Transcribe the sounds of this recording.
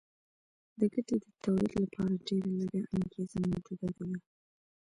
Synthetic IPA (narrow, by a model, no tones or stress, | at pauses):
d̪əɡaʈed̪ət̪ʰawlḭd̪lapʰɑɾaɖeɾalaɡaʔaŋɡezammowd͡ʒud̪ad̪awi